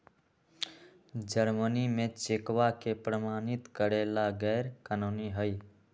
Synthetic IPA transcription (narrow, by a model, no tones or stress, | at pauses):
d͡ʒəɾmənimẽt͡ʃekʋakepɾəmaːnɪt̪kəɾelaɡɛːɾkanoːniɦəj